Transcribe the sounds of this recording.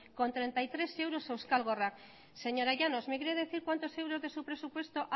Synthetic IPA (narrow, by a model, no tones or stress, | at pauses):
kont̪ɾẽnt̪ajt̪ɾesewɾosewskalɣorak | seɲoɾaʎanosmekɾeðeθiɾkwant̪osewɾozðesupɾesupwest̪oʔ